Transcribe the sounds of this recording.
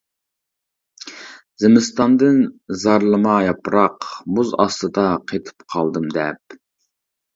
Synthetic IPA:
zɪmɪst̪ɑnd̪ɨnzɑɾlˠɨmɑjɑpɾɑqmuzɑst̪ɨd̪ɑqʰet̪ʰɨ̥pqʰɑlˠd̪ɨmd̪ɛp̚

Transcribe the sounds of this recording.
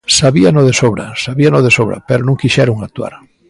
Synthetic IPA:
saβianoðesoβɾa̰saβianoðesoβɾa̰peɾonũŋkiʃɛɾoŋakt̪ua̰ɾ

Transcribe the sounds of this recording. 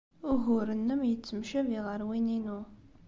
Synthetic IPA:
ʊɣʊɾənːəmjət͡sːəmʃæviʁəɾwininu

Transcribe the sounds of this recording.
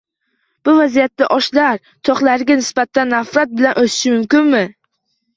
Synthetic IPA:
b̥ʊvazijat̪ːaʔɒʃlaɾ | t̪ʰɒχlˠaɾɪɡʲanɪsbat̪ʰanːafɾat̪̚bɪlanʔot̪ʰɪ̥ʃɪmʊmkʲɪnmɪ

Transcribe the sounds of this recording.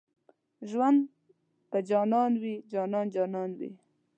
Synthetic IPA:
ʒwand̪ | pad͡ʒɑnɑnwid͡ʒɑnɑnd͡ʒɑnɑnwḭ

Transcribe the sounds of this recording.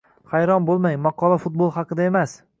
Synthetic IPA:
χajɾɒnbolˠmajmɑqʰɒlˠafʊt̪̚bolˠhɑqʰɨd̪ae̞mas

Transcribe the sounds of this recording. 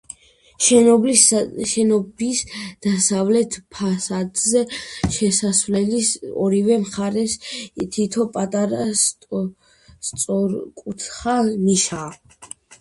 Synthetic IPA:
ʃɔbliʃɛnɔbisd̪̥asavlɛt̪ʰpʰasad̪zɛʃɛsasvlɛlisɔɾivɛmχaɾɛst̪ʰit̪ʰɔpʼat̪ʼaɾas | st̪sʼɔɾkʼut̪ʰχaniʃa

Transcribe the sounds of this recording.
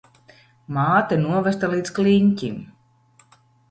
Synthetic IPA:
maːt̪ɛnuɔvɛst̪alˠiːdt̪skliɲʲcʲḭm

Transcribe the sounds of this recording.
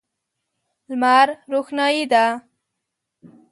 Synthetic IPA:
lmaɾɾuxnɑjid̪a

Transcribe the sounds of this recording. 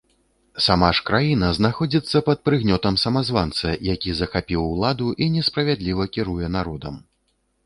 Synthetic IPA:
samaʂkɾajinɐznaxɔd͡zʲit̪sːɐpɐt̪̚pɾɨɣnʲɔt̪ɐmsɐmazvant̪sɐjakʲizɐxapʲiwːlˠad̪uʔinʲɛspɾɐvʲad̪lʲivɐkʲiɾujɛnaɾɔd̪ɐm

